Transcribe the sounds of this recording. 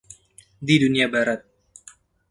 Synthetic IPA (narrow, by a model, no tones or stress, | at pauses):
diduniabaɾat̪̚